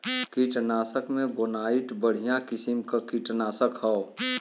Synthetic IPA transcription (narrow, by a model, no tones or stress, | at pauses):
kiʈnaːsəkmẽbonaːiʈbəɽ̤ijãkɪsimkakiʈnaːsəkhɛo